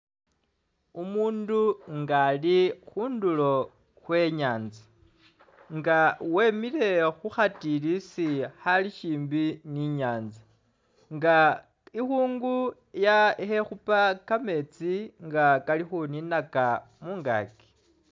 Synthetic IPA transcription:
umuːnduŋɡalixuːndulo̞ | xwe̞ɲaːnzi | ŋɡawe̞mile̞xuxatilisihaliʃiːmbiniɲaːnzi | ŋɡa | ixuːŋɡu | jaihe̞xupakame̞t͡siŋɡakalixuninakamuːŋɡa̰ːki̥

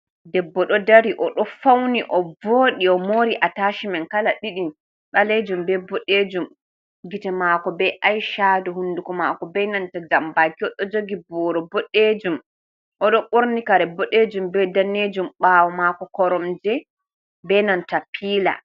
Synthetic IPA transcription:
dɛbːɔɗɔdaɾiʔɔɗɔfawniʔɔvoɗiɔmoɾiʔataːʃimɛnkalaɗiɗin | ɗaled͡ʒumbɛbɔɗed͡ʒum | ɡitɛmakɔbɛʔajʃadɔhunːdukɔmakɔbɛnantad͡ʒambakiɔɗɔd͡ʒoɡibɔɾɔbɔɗed͡ʒum | ʔɔɗɔɓoɾnikaɾɛbɔɗed͡ʒumbɛdanːed͡ʒumɓawɔmakɔkɔɾɔmd͡ʒɛ | bɛnantapʰiːla̰

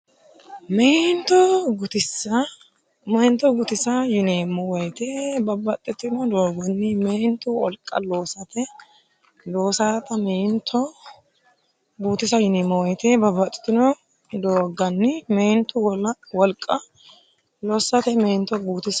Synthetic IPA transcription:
meːnt̪ɔɡʊt̪ɪsɐ | mɛjnt̪ɔɡʊt̪ɪsɐjɪneːmːɔwɔjt̪ebɐbːɐt̪ʼːɪt̪ːɪnɔd̪oːɡɐnːɪmeːnt̪ʊwɔ̰lkʼːɐ̰lo̞ːsɐt̪ɛ | d̪o̞ːsaːt̪ɐmeːnt̪ʰɔ | ɡuːt̪ɪsɐjɪneːmːɔwɔjt̪ebɐbɐt̪ʼːɪ̥t̪ːɪnɔ | d̪oːɡɐnːɪmeːnt̪ʊwlwɔlkʼːɐ | loːsːɐt̪ɛmeːnt̪ːɔɡuːt̪ɪs

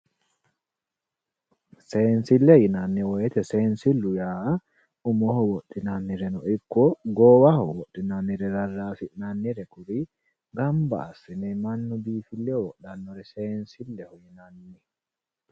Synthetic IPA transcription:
sɛːnsilːɛjinanːiwɔjɛt̪ɛsɛːnsilːujaː | umɔhɔwɔɗinanːiɾɛnɔikːɔɡɔːwahɔwɔɗːinanːiɾɛɾarːaːfiʔnanːiɾɛkuɾi | ɡamba̰ːsːinɛmanːɔbiːfilːɛɔwɔɗanːɔɾɛsɛːnsilːɛhɔjinanːi

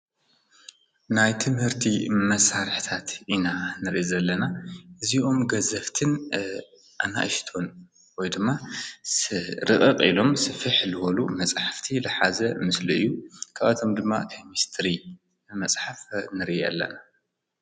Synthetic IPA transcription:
najt̪ʰɨmhɨɾt̪ʰimɐsaɾɨħt̪ʰat̪ʔinanɨɾiʔizɐlːɐnaʔɨziʔo̞mɡɐzɐft̪ʰɨn | ʔana̰ʔɨʃt̪ʰo̞n | wɔjd̪ɨmːa | ɾɨʔʼɨqʼḭlo̞msɨfɨħlɨwɐlumɐt͡sʼħaft̪ʰilɨħazɐmɨsluɨ̰jːukʰaβat̪ʰo̞md̪ɨmːa̰k̪ʰɐmist̪ʰɾi | mɐt͡sʼħafnɨɾʔɐ̰lːɐ̰na

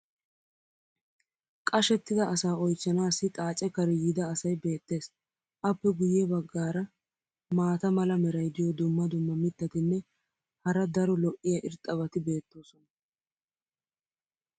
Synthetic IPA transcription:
kʼɐʃɛt̪ːɪd̪ɐːsaːɔjt͡ʃːɐnaːsːɪt̪ʼaːt͡ʃʼɛkɐɾɪjɪd̪ɐːsɐjbe̞ːt̪ːe̞ːs | ʔɐpːɛɡʊjːɛbɐɡːaːɾɐ | maːt̪ɐmɐlɐmɛɾɐjd̪ɪjɔd̪ʊmːɐd̪ʊmːɐmɪt̪ːɐt̪ɪnːɛ | hɐɾɐd̪ɐɾɔlɔʔɪjɐʔɪɾt̪ʼːɐβɐt̪ɪbe̞ːt̪ːo̞ːsɔnɐ

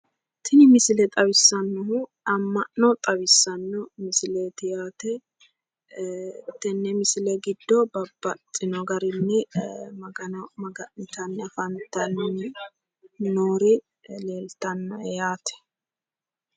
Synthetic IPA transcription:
t̪ʰɪnɪmɪsɪlɛt̪ʼɐβɪsːɐnːɔɦʊ | ɐmːɐʔnɔt̪ʼɐbɪsːɐnːɔmɪsɪleːt̪ɪjaːt̪ɛ | t̪ːɛnːɛmɪsɪlɛɡɪd̪ːɔbɐbːɐt̪ʼːɪnɔɡɐɾɪnːɛmɐɡɐnɐmɐɡɐʔɪt̪ɐnːɛɐfɐnt̪ːɐnːɛ | noːɾɪ | le̞ːlt̪ɐnːɔɛjaːt̪ɛ̥

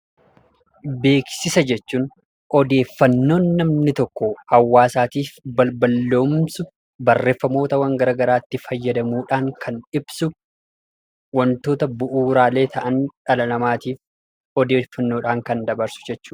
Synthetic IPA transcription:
be̞ːksɪsɐd͡ʒɛt͡ʃːuːn | ɔd̪e̞ːfːɐnːo̞ːnːɐmnɪt̪ɔkːɔhɐwːaːsaːt̪iːfbɐbɐlːo̞ːmsʊ | bɐrːe̞ːfːɐmo̞ːt̪ɐwɐŋɡɐɾɐɡɐɾaːt̪ːɪfɐjːɐd̪ɐmuːᶑaːŋkʰɐnᶑɪb̥sʊ | wɐnt̪o̞ːt̪ɐbʊʔuːɾaːle̞ːt̪ʰɐʔɐnᶑɐlɐnɐmaːt̪iːf | ɔd̪e̞ːfːɐnːoːᶑaːŋkɐnd̪ɐbɐɾsʊ̥d͡ʒɛt͡ʃːuː

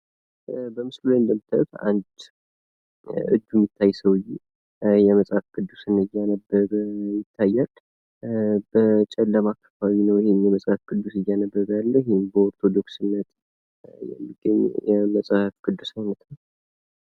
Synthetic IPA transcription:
bəmɨslulaɨnd̪əmːɨt̪ʰəwt̪a̰nd̪ | ɨ̰d͡ʒ̪ːumːɪt̪ʰːajsəwɨjːe | jɛməsʼafkʼɨd̪ːusɨnɨjːanəbːəɾjɪt̪ʰːajːal | bət͡ʃʼɛlːəmaakʰːə̥fawinəwɪhemjɛməsʼhafkɨd̪ːusɨjːanəbːəβalːəhembəoɾt̪ʰod̪o̞ksɨnːət̪ | jɛ̰mːiɡəɲːjɛməsʼahafkɨd̪ːusahnət̪nəw

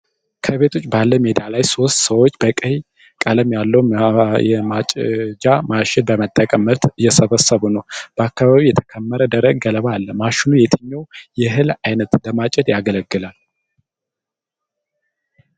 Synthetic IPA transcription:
kʰəβet̪ʰo̞t͡ʃʼːbalːəmed̪alajso̞st̪səwot͡ʃːbəkʼəɲ | kʼələmjalːəwjɛmat͡ʃʼd͡ʒamaʃɪd̪̚bəmət̪ʼːəkʼəmət̪jɛsəβəsːəβunəwb̥əakːaβaβijɛt̪ʰə̥kʰəmːəɾəd̪əɾəɡɡələβaːlːəmaʃɪnujɛt̪ʰɨɲːawjɛɦɨlajnət̪ləmat͡ʃʼɛd̪jaɡələɡːɨlal

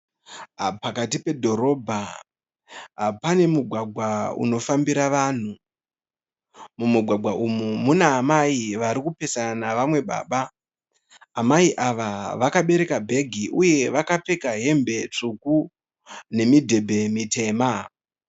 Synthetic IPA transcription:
pakatipe̞dʱo̞ɾo̞ːbʱa | pane̞muɡʱwaɡʱwaṵno̞fambiɾaʋan̤u | mumuɡʱwaɡʱwaʔumumunaːmaiʋaɾikupe̞saanaʋamwe̞ɓa̰ːɓa | maiʔaʋaʋakaɓe̞ɾe̞kabʱe̞ɡʱiʔuje̞ʋakape̞kaɦe̞mbe̞t͡ʂuku | ne̞midʱe̞bʱe̞mite̞ːma

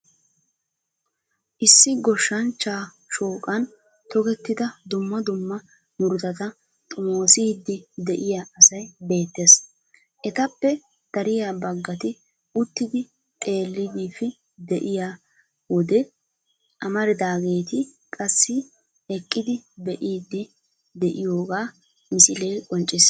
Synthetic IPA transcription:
ʔɪsːɪɡɔʃːɐnt͡ʃːaː | ʃoːkʼɐn | t̪ɔɡɛt̪ːɪd̪ɐd̪ʊmːɐd̪ʊmːɐ | mʊɾd̪ɐt̪ɐ | t̪ʼʊmoːsiːd̪ːɪd̪ɛʔɪjaɐsɐjbe̞ːt̪ːes | ʔɛt̪ɐpːɛ | d̪̥ɐɾɪjabɐɡːɐt̪ɪ | ʊt̪ːɪd̪ɪ | t̪ʼe̞ːlːɪd̪ifɪ | d̪ɛʔɪja | wɔd̪ɛ | ʔɐmɐɾɪd̪aːɡe̞ːt̪ɪ | kʼɐsːɪ | ɛkʼːɪd̪ɪbɛʔiːd̪ːɪ | d̪ɛʔɪjo̞ːɡaː | mɪsɪleːkʼɔnt͡ʃʼːɪs

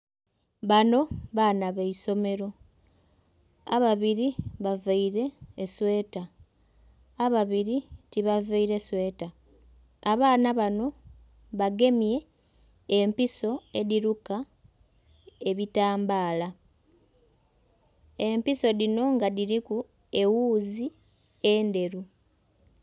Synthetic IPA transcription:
βano̞βaːnaβeiso̞me̞ɾo̞ | aβaβiɾiβavaiɾe̞ːswe̞ːta | aβaβiɾitiβaveiɾeswe̞ːtaː | βaːnaβano̞ | βaɡe̞mje̞ː | mpiso̞e̞ðiɾuka | e̞βitaːmbaːla | e̞mpiso̞ðino̞ŋɡaðiɾiku | e̞wuːzi | ende̞ɾu

